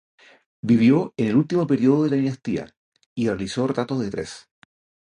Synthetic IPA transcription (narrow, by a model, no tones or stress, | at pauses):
biβjoenelult̪imopeɾioðoðelaðinast̪ia̰ | irealisoret̪ɾat̪ozðet̪ɾes